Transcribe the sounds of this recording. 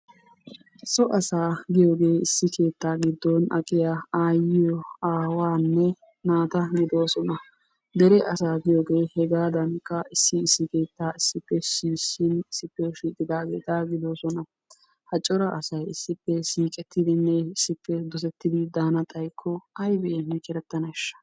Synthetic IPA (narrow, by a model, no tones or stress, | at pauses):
sɔʔɐsaːɡɪjoːɡe̞ːɪsːɪkʰe̞ːt̪ːaːɡɪd̪ːɔnɐkʼɪjaaːjɪjɔaːwaːnːɛ | naːt̪ɐɡɪd̪o̞ːsɔnɐ | d̪ɛɾɛʔɐsaːɡɪjoːɡe̞ːhɛɡaːd̪ɐnkːɐɪsːɪːsːɪke̞ːt̪ːaːɪsːɪpːɛsiːsɪnɪsːɪpːɛʃiːt̪ʼːɪd̪aːɡeːt̪aɡɪd̪o̞ːsɔnɐ | hɐt͡ʃʼːɔɾɐʔɐsɐjɪsːɪpːɛsiːkʼɛt̪ːɪd̪ɪnːɛɪsːɪpːɛd̪ɔsɛt̪ːɪd̪ɪd̪aːnɐt̪ʼɐjkʰːɔɐjbɛʔɛnːɛt͡ʃʼɛɾɛt̪ːɐnɐɪʃːɐ̥